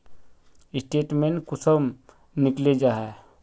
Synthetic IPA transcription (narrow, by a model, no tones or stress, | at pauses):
ɪsʈeːʈmẽnkʊsəm | nɪkled͡ʒaːɦɛ